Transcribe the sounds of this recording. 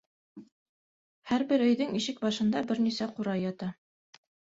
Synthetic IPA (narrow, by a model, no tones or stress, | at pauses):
hæɾbɘɾɵ̆jðɘŋiʃɘk̚bɑʃɤ̆nd̪ɑbɘɾnisæquɾɑjːɑt̪ɑ